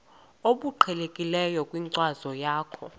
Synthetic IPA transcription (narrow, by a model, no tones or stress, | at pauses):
oɓuǃʰɛlekʼilɛjɔkʼwiŋǀwazɔjaːkʰɔ